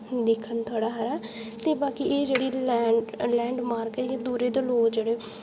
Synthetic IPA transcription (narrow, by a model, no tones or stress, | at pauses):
d̪ɪkʰːənt̪ʰaːɽaːɦəɾɛːt̪eːbaːkiʔeːd͡ʒeːɽiːlɛːlɛ̃ːɳɖmaːɾkɛjãːd̪uːɾeːd̪eloːd͡ʒeːɽeː